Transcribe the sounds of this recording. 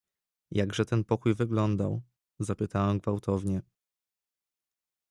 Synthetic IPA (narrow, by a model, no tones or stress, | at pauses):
jaɡʐɛt̪ɛnpɔkujvɘɡlɔnd̪a̰w | zapɘt̪awɛmɡvawt̪ʰɔvɲɛ